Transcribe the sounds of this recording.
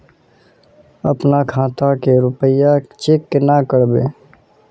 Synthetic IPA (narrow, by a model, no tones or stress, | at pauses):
əpnakʰãːt̪akeɾʊpəjat͡ʃekːenakəɽbḛː